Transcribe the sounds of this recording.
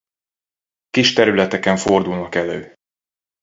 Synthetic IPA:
kiʃt̪ɛɾylɛt̪ɛkɛɱfo̞rd̪ulnɒkɛløː

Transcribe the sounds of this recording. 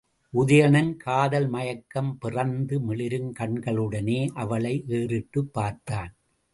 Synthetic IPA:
ʔʊðɐjɐɳɐnkʰaːðɐlmɐjɐkːɐmpɪrɐnd̪ɯmɪɭɪɾɯnkɐɳɡɐɭɯɽɐneːʔɐʋɐɭɐɪʔeːrɪʈːɯpːaːɾt̪aːn

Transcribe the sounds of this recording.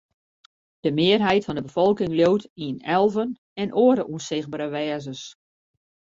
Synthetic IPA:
d̥əmɪərɦɛjtfɔndəbəfɔlˠkɪŋljowtʰiənɛlˠvən | ɛnʔoːəɾəʔunsɪɣbəɾəʋɛːzəs

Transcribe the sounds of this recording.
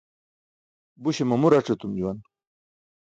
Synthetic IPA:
buɕemɐmuɾaʈ͡ʂet̪umd͡ʑuwan

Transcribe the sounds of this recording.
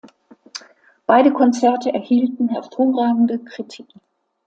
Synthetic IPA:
b̥aɪɾəkʰɔnt͡sɛɐtəʔɛɐhiːltn̩hɛɐfoːʁaːɡŋ̩dəkʁ̥itʰik

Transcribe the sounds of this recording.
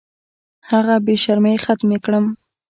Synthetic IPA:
haɣabeʃaɾməjxat̪mekɽəm

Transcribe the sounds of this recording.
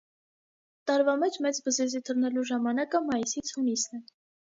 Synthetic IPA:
t̪ɑɾvɑmɛt͡ʃmɛt͡sbəzizit̪ʰəɾnɛluʒɑmɑnɑkəmɑjisit͡sʰhunisnɛ

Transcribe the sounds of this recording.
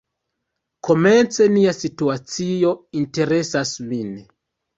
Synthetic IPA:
ko̞me̞nt͡se̞niasituat͡sijo̞inte̞ɾe̞sasmin

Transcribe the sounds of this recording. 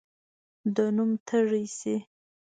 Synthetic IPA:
d̪ənumt̪ʰəʐijsi

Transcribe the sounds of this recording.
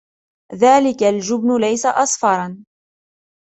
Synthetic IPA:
ðaːlɪkald͡ʒʊbnʊlajsaʔɑsˤfɑɾˤɑn

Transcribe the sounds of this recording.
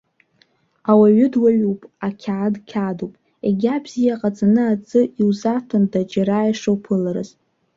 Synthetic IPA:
awaɥʏdwaɥupʼakʲʰaʕadkʲʰadowpʼ | ḛɡʲabz̥ijaqʼat͡sʼanɨat͡sʼɨiwzatʰɨndad͡ʒaɾajʂowpʰɨlaɾɨ̰z

